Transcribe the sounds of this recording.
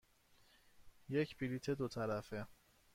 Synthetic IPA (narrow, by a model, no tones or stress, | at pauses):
jecʰbilit̪ʰe̞d̪ot̪ʰæɾæfe